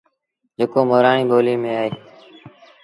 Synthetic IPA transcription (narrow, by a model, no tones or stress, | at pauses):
d͡ʒeːkoːmoːɾaːɳĩːɓoːliːmẽːaːɦeː